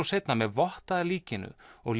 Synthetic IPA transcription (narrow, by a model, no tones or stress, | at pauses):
awsejt̪namɛðvɔht̪aðɪliːcɪnʏ̰ɔɣl